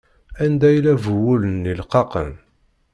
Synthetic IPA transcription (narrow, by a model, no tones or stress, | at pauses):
ænd̪æjlævəwulənːilqɑqə̰n